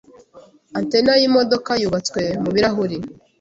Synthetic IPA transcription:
antenajimo̞do̞kajuβat͡skwe̞muβiɾaɦuɾi

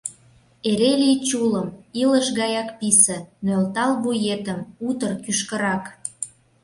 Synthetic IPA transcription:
eɾelit͡ɕuləmiləʃɣɑjɑkpisə̆nølt̪ɑlβujet̪əmut̪ərkyʃkə̆ɾɑk

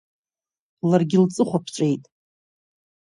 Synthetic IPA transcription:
larɡʲɪlt͡sʼɨχʷapʰʈ͡ʂʷʼe̞jtʼ

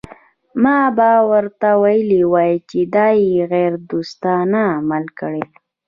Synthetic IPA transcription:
mɑbawəɾt̪awajəliwɑjt͡ʃed̪ɑjeɣeɾd̪ust̪ɑnaːmalkəɽe

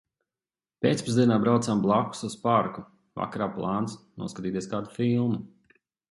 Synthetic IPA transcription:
pʲeːt̪spuzd̪iɛnaːbɾawt̪samblˠaku̥suspaɾku | va̰kaɾaːplˠaːnsnṵɔskat̪iːt̪ieskaːd̪ufilˠmu

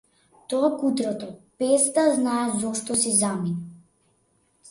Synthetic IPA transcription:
t̪ɔakut̪ɾɔt̪ɔpɛst̪aznaɛzɔʃt̪ɔsizamina

